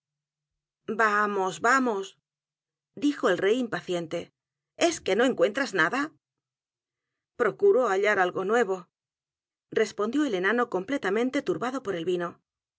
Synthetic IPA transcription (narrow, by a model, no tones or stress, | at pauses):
bamo̞zβamo̞s | d̪ixo̞elre̞jimpaθje̞nt̪e̞ | e̞ske̞no̞e̞ŋkwe̞nt̪ɾaznaða | pɾo̞kuɾoaʎaɾalɣo̞nwe̞β̞o̞ | re̞spo̞nd̪jo̞ele̞nano̞ko̞mple̞t̪amẽ̞nt̪e̞t̪uɾβaðo̞po̞ɾe̞lβino̞